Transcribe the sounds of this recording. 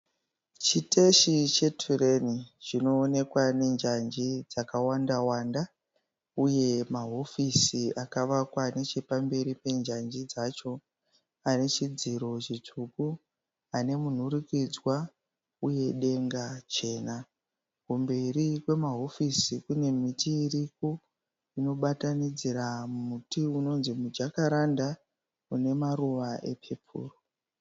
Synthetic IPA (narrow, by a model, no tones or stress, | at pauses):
t͡ʃite̞ʃit͡ʃe̞tʰure̞nit͡ʃino̞ːne̞kwane̞nd͡ʒand͡ʒid͡zakawandawaːnda | uje̞maɦo̞fisiakaʋakwane̞t͡ʃepambe̞ɾipe̞nd͡ʒand͡ʒid͡zat͡ʃo̞ | ane̞t͡ʃid͡ziɾo̞t͡ʃitʰuku | ane̞mun̤uɾikid͡zwa | uje̞ɗe̞ŋɡat͡ʃe̞ːna | kumbe̞ɾikwe̞maɦo̞fisikune̞mitiːrik̚u | ino̞ɓatanid͡ziɾamutiuno̞nzimud͡ʒakaɾanda | une̞maɾuʋae̞̰pʰepʰṵːro